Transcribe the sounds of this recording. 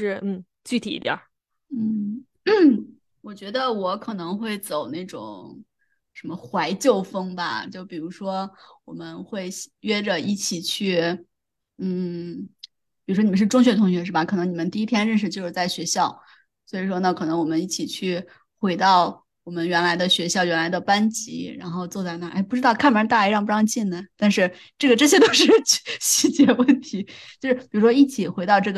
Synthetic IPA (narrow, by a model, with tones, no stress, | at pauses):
ʂɻ̩˥˧n̩˥˩ | t͡ɕy˥˩t̪ʰi˨˩ḭ˧˥t̪jɐ̰˨˩˦ | n̩˥˩˥ | wɔ˨˩t͡ɕɥɛ˧˥d̪ə˧wɔ˧˥kʰɤ˨˩nɤ˧˥ŋxwe˥˩ɪt͡so˨˩ʊna˥˩ɪʈ͡ʂʊ̰˨˩˦ŋ | ʂə˧˥nmə˧xwa˧˥ɪt͡ɕjo˥˩ʊfɤ˥ŋbɐ̰˨t͡ɕjo˥˩ʊpi˨˩ɻu˧˥ʂwɔ˥wɔ˨˩mə˦nxwe˥˩ɪɥɛ˥ʈ͡ʂə˨i˥˩t͡ɕʰi˨˩t͡ɕʰy˥˩ | n̩˥˩ | pi˨˩ɻu˥ʂwɔ˥ni˨˩ə˦ʂɻʈ͡ʂʊ˥ŋɕ̬ɥɛ˧˥t̪ʰʊ˧˥ŋɕɥɛ˧˥ʂɻ̩˥˩ba˨˩kʰɤ˨˩nɤ˧˥ŋni˨˩mə˦nt̪i˥˩i˥t̪ʰjɛ˥nɻə˥˧nʂ̬ɻ̩˥˧t͡ɕjo˥˧ʊʂɻ̩˥˩t͡sa˥˩ɪɕɥɛ˧˥ɕjɑ˥˩ʊ | swɔ˧˥i˨˩ʂ̬wɔ˥nə˥˧kʰɤ˨˩nɤ˧˥ŋwɔ˨˩mə˦ni˥˩t͡ɕʰi˨˩t͡ɕʰy˥˩ | xwe˧˥ɪt̪ɑ˥˩ʊ | wɔ˨˩mə˦nɥɛ˧˥nla˧˥ɪd̪ə˧ɕɥɛ˧˥ɕjɑ˥˩ʊɥɛ˧˥nla˧˥ɪd̪ə˧pa˥nt͡ɕḭ˧˥ɻa̰˧˥nxo˥˧ʊt͡swɔ˥˧t͡sa˥˩ɪna˥˩ʔa˥ɪpu˥˩ʈ͡ʂɻ̩˥ɑ˥˧ʊkʰa˥˩nm˩˧˥t̪a˥˧i˧˥ɻɑ˥˧ŋpu˥˩ɑ˥ŋt͡ɕi˥˩nnə˩t̪a˥˧nʂɻ̩˥˧ | ʈ͡ʂɤ˥˩ɡə˩ʈ͡ʂɤ˥˩ɕ̬jɛ˥t̪o˥ʊʂɻ̩˥˩t͡ɕʰɕi˥t͡ɕjɛ˧˥wə˥˩nt̪ʰi˧˥t͡ɕjo˥˧ʊʂɻ̩˥˩pi˨˩ɻu˧˥ʂwɔ˥i˥˩t͡ɕʰi˨˩xwe˧˥ɪt̪ɑ˥˧ʊʈ͡ʂɤ˥˩ɡə˩